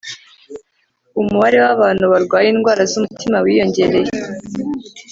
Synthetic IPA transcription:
umuβaɾewaβaːn̤̥huβaɾɡwaːjiːnɡwaːɾazumutʰimawiːjo̞ɲɟe̞ɾe̞je

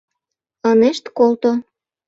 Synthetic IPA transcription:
ɑneʃt̪kolt̪o

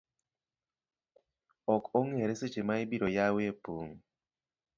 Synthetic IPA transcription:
ɔkoŋeɾeset͡ʃemaɪbiɾojawepoŋ

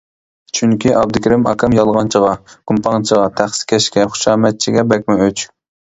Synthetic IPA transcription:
t͡ʃʰyŋkʲiʔɑb̚d̪ɪkʲʰiɾɪmɑ̰kʰɑmjɑlˠʁɑnt͡ʃʰəʁɑkumpʰɑŋt͡ʃʰəʁɑt̪ʰæχskʲʰɛʃkʲɛχʊ̥ʃɑːmɛt̪̚t͡ʃʰiɡʲɛbɛkʲmɪøt͡ʃ

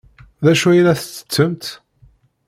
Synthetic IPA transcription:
ðæʃuæjɾæθə̥t͡sːə̥t͡sːəmt̪

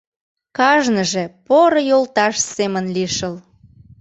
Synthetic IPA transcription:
kɑʒnəʒepoɾojolt̪ɑʃsemənliʃəl

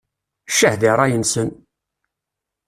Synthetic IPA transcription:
ʃːəhðiɾˤɑjənsən

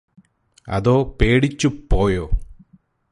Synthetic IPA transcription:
ɐ̰ðoːpe̞ːɽit͡ɕːupːo̞ːjoː

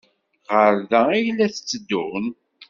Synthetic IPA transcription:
ʁəɾðæijlːæθə̥t͡sːəd̪ːʊn

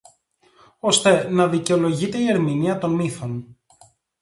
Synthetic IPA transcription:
o̞st̪e̞nɐðice̞o̞lo̞ʝit̪e̞ie̞ɾminiɐt̪o̞nmiθo̞n

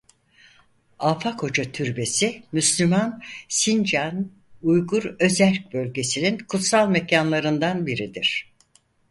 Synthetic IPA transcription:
aːfakʰo̞d͡ʒat̪ʰyɾbe̞simyslʲymansind͡ʒan | ujɡuɾø̞zæɾc̚bø̞lʲɟe̞sininkʰut̪salˠmecʰanlˠaɾɯnd̪anbiɾid̪iɾ̝̥

